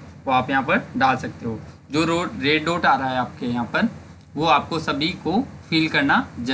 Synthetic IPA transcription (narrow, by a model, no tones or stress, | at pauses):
oaːpjɐɦãːpɐɾɖaːlsɐk̚t̪iɦoː | d͡ʑoːɾoːʈɾeːɖɾoːʈaːɾaɦɛaːp̚kejɐɦãːpɐɾ | ʋoaːp̚kosɐbʱikofiːlkɐɾnad͡ʑɐ